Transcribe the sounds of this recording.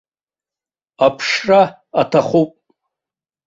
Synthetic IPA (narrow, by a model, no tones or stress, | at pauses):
apʰʂra | atʰaχʷupʼ